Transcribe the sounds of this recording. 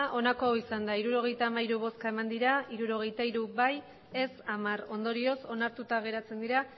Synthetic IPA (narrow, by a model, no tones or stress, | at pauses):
ʔo̞nako̞isand̪aiɾuɾo̞ɣ̞e̞jt̪aːmaiɾuβ̞o̞skae̞mand̪iɾaiɾuɾo̞ɣ̞e̞jt̪aiɾuβaj | e̞samaro̞nd̪o̞ɾio̞so̞naɾt̪ut̪aɣ̞e̞ɾat͡se̞nd̪iɾa